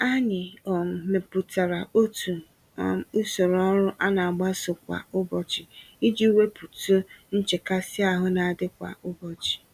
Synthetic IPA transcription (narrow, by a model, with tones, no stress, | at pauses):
a˦ɲɪ˨ɔ˨m̩˨me˨pu˨ta˨ɾa˨o˦tu˨˦ | u˦so˨ɾɔ˦ɾʊ˦ʔa˦na˨a˨ɡ͡ba˦sʊ˨kʷa̰˨ʊ˦bɔ˨t͡ʃɪ˨i˦d͡ʒi˦u˦we˦pu˨tu˦n̩˦t͡ʃe˨ka˦sɪ˦a˦˨ɦʊ˦na˨dɪ˦kʷa̰˨ʊ˦bɔ˨t͡ʃɪ̥˨